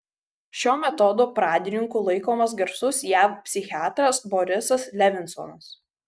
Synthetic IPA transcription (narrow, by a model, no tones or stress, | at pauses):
ʃʲoːmʲɛt̪ɔd̪oːpɾɑːd̪ʲɪnʲɪŋkuːlˠɐɪkoːmɐsɡʲɐɾsʊsjæːfpʲsʲɪxʲɪaːt̪ɾɐsbɔɾʲɪsɐslʲɛʋʲɪnsɔ̰ːnɐs